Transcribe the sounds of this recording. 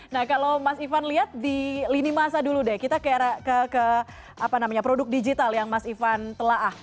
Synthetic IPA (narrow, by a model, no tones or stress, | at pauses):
nahkalowmasifanliɦat̪̚dilinimaɦasaduludɛkit̪akəaɾakəkə | apanamaɲapɾodʊk̚did͡ʒit̪aljaŋmasifant̪əlaɦah